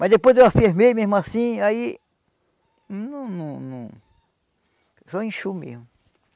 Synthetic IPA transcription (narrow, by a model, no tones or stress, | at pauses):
mɐzd̪epojzd̪ewafiɾmemezmʊasĩai | nũnũnũ | sɔẽʃumḛhmʊ